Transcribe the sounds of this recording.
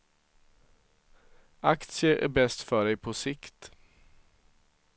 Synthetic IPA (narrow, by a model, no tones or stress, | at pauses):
ɑkt̪səʔæ̰ːbɛst̪fœɖeɪpʰoːsɪkt̪